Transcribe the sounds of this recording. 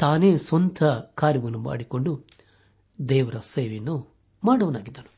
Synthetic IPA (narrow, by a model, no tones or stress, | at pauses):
t̪aːneːsʋɐnt̪ʰɐkaːɾjɐɡɐnːuma̰ːɽikoɳɖu | d̪ɛːʋɐɾɐseːʋinːu | maːɽɐʋɐnaːɡid̪ːɐnu